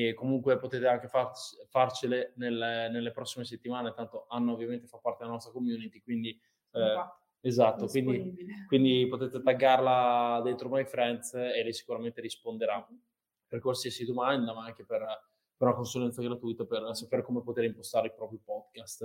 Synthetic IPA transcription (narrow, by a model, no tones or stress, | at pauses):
komuŋkwepot̪eːt̪eaŋk̟efarfart͡ʃelenelnelːepɾɔsːimes̬et̪ːimaːnet̪ant̪oʔanːoovːjament̪e̥fat̪ːpːart̪ed̪lanɔst̪ɾakomjuːnit̪ikwind̪i | ezat̪ːokwind̪ikwind̪ipot̪et̪et̪aɡːarlad̪ent̪ɾomajfɾɛnt̪selːɛjsi̥kuɾament̪eɾispond̪eɾa | perkwalsiasid̪omand̪amaaŋk̟eper | peɾunakonsulɛnt̪saɡɾat̪ujt̪apersapeːɾekomepot̪eːɾimpost̪aːɾeilpɾɔːpɾjopɔd̪kast̪